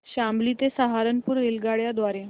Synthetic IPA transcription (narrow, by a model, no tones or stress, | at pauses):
ɕamblit̪esaɦaɾənpuːɾːelɡaɭjad̪ʋaɾe